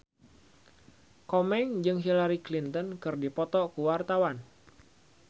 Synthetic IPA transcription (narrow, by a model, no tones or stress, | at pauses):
kɔmɛŋd͡ʒɨŋɦilaɾiklint̪ɔnkɨrdipɔt̪ɔkuwart̪awan